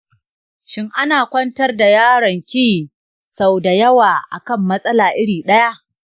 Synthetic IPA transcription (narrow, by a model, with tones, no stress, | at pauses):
ʃɪ˦ŋʔa˦naː˨kʷɐ˦ntɐ˦rda˨jaː˦ɽɐ˨ŋkʲiː˦˨ | sa˨wda˨jɐ˦waː˨ʔa̰˨kɐ˦mːɐ˦sʼɐ˦laː˨ʔɪ˦ɽiː˨ɗɐ˦ja˦ʔ